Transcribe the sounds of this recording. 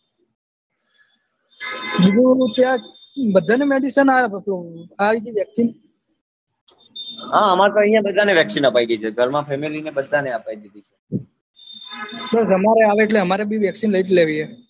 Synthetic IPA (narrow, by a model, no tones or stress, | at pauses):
d͡ʒid̪ut̪jabəd̪ʱːanemeɖisənaeətoaid͡ʒiʋjəksin | ɦãəmat̪oə̃ɦjãbəd̪ʱaneʋjəksinəpaiɡ̪it͡ʃʰeɡʱəɾmãpʰemilinebəd̪ʱːaneəpaid̪id̪it͡ʃʰe | bəsəmaɾeaʋeːʈ̬leɦəmaɾebiʋjəksinləiʈleʋiɦe